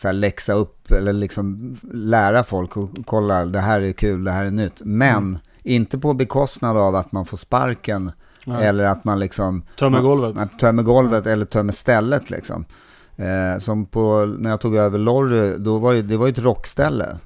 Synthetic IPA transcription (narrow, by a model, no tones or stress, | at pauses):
sæːɭɛksaɵpːɛlːəɭɪksɔmlæːɾafɔlkɔkʰɔlːad̪ɛɦæːɾæɾkʰʉ̟ːld̪ɛɦæːɾænʏt̪ːmɛn | ɪnt̪əpɔbɛkʰɔst̪nad̪avat̪manfoːʂpa̰ɾkən | ɛlːəɾat̪manlɪksɔmt̪ʰɔmɛɡɔlvət̪t̪ʰœmɛɡɔlvət̪ɛlːəʈʰœːmɛst̪ɛlːət̪ʰlɪ̰ksɔ̰m | sɔmpʰɔnæjɑt̪ʰuːɡøːvəɭɔɾɪd̪ɔvaɾɛd̪ɛvaɾjʏɵɛt̪ɾɔkːst̪ɛlːə̰